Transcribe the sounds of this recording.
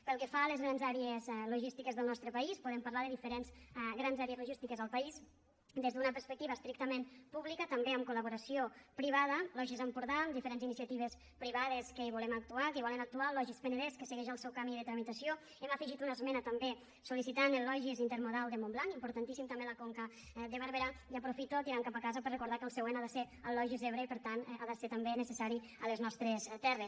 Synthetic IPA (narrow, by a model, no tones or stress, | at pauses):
pəlˠkəfaləzɣɾanzaɾeezluʒist̪ikezðəlˠnɔst̪ɾəpɐispuðempəɾlaðəðifəɾenzɣɾanzaɾjəzluʒist̪ikəzəlˠpais | d̪ezðunəpəɾspək̚t̪iβəːst̪ɾik̚t̪əmẽmpuβlikət̪əmbeəmkuləβuɾəsiopɾiβaðəlɔʒizəmpuɾðamd̪ifəɾenzinisiət̪iβ̞es | pɾiβaðeskəiβulɛmək̚t̪uakəβɔlenək̚t̪ualɔʒispənəðeskəseɣɛʒəlˠsɛwkamiəðət̪ɾəmit̪əsio | eməfəʒit̪unəsmɛnət̪əmbe | sulisit̪anlɔʒizint̪əɾmuðalˠd̪əmomblaŋimpuɾt̪ant̪isimt̪əmbeləkoŋkə | d̪əβəɾβeɾajəpɾufit̪ut̪iɾaŋkapəkazəpərekuɾðakəlˠsəɣwenaðəse | əlɔʒizeβɾeipəɾt̪anaðəset̪əmbenəsəsaɾi | əleznɔst̪ɾest̪ɛres